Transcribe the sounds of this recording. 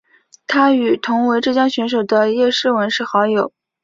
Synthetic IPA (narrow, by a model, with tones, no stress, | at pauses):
t̪ʰa˥y˨˩t̪ʰʊ˧˥ŋwe˧˥ɪʈ͡ʂɤ˥˩t͡ɕjɑ˥ŋɕɥɛ˧˥nʂ̬o˨˩ʊd̪ə˦jɛ˥˧ʂɻ̩˥˩wə˧˥nʂɻ̩˥˩xɑ˧˥ʊjo˨˩˦ʊ